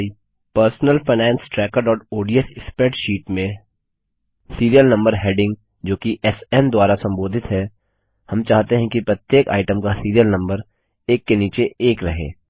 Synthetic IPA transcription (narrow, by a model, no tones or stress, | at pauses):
i | pəɾsnəlfɐɪnɛ̃ːnsʈɾɛːkəɾɖɔːʈoːɖijəsɪspeːʈʃiːʈmẽ | siːɾijəlnɐ̃mbəɾɦeːɖɪ̃ŋɡ | d͡ʒoːkiʔɛsɛnd̪waːɾasɐ̃mboːd̪ʱɪt̪ɦɛ | hɐmt͡ʃaːɦt̪eɦɛ̃kipɾɐt̪jeːka̰ːɪʈəmkasiːɾijəlnɐ̃mbəɾ | eːkːeniːt͡ʃeʔeːkɾɐɦḛː